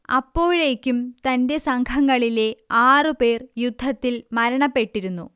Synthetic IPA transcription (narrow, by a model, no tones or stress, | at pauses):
ɐpːo̞ːɻe̞ːkʲːumt̪ɐnde̞sɐŋkʰɐŋːɐɭile̞aːrɨpe̞ːrjud̪ʱːɐt̪ːilmɐɾɐɳɐpːe̞ʈːiɾunːṵ